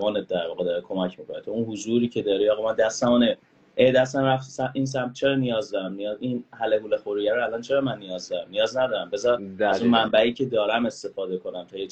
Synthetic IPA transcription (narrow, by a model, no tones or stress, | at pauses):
ɒːnet̪̚d̪æɾvɒːɣed̪ɒːɾekʰo̞mæcʰmikʰo̞net̪ʰounhuzuːɾiːcʰe̞d̪ɒːɾiɒːɣmænd̪æst̪æmɔne | ʔed̪æst̪æmɾæft̪sæʔins̬æmt̪̚t͡ʃʰe̞ɾɒːnijɒːzd̪ɒːɾæmnijɒzinhælehuːlexoɾijæɾoælɒːnt͡ʃʰe̞ɾɒːmænːijɒːzd̪ɒːɾæmnijɒːznæd̪ɒːɾæmbezɒɾæzunmæmbæiːcʰe̞d̪ɒːɾæme̞st̪e̞fɒːd̪e̞kʰo̞næmt̪ʰuːje